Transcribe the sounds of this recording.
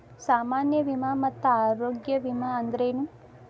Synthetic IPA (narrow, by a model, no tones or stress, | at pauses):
saːmaːnjɐʋimamɐt̪ːuaːɾoːɡjɐʋimaɐnd̪ɐɾeːnu